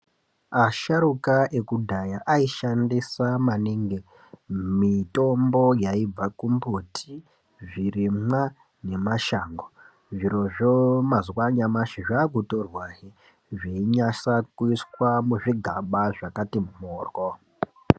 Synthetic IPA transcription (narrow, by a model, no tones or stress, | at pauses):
aʃaɾukaʔe̞kudʱajaʔaiʃandisamaniŋɡe | mito̞mbo̞jaib͡vakumbutʰi | ʐirimwa | ne̞maʃaŋɡo | ʐiɾo̞ʐomazwaɲamaʃiʐaɡʱutorwaɦi | ʐeiɲasakuiswamuʐiɡʱaɓaʐakatimumoːrwo